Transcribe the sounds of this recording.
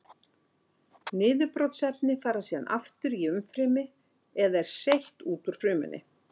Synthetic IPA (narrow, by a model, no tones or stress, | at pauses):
nɪːðʏpɾɔwt̪sɛt̚nɪfaːɾasiːða̰nʔa̰ft̪ʏɾiʏmfɾɪːmɪ | ɛðaɛɾ̥sejht̪uːt̪uɾ̥fɾʏːmʏ̰nʔɪ̰